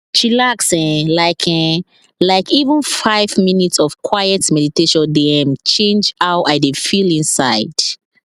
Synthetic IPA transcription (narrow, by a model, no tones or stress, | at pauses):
ʃilaksɛ̃laɪkʰɛ̃ | laɪkivə̃nfaɪvminitsɔv̥kʰwajɛtmɛditeʃɔ̃ndiɛ̃mt͡ʃʰẽnd͡ʒaʊʔaɪdefilĩnsaɪd̥